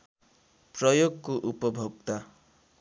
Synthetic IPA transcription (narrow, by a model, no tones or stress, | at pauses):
prʌjoɡkoʔupɔbʱoɡt̪a